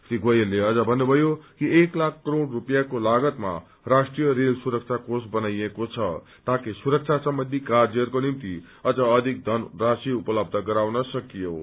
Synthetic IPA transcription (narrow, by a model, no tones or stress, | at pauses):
sɾiɡʌjʌnleʌd͡zʌbʱʌnːubʱʌjokieklakʰːɾoɽrupjakolaɡʌt̪ma̰ | rasʈrijʌɾelsuɾʌk̚t͡sʰakosbʌnajekot͡sʰʌ | t̪ãkisuɾʌk̚t͡sʰasʌmbʌnd̪ʱikard͡zerkonimt̪i | ʌd͡zʌːd̪ʱik̚d̪ʱʌnrasiupʌlʌb̚d̪ʱʌɡʌɾawnʌsʌkijo̰